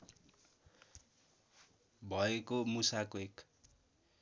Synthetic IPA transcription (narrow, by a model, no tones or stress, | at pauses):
bʱʌekomusakoek